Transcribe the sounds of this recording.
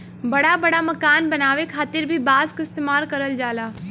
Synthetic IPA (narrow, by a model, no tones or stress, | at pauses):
bɐɽabɐɽamɐkaːnbɐnaːʋekʰaːt̪ɪɾbʱibaːzkɪst̪eːmaːlkɐɾəld͡ʒaːlaː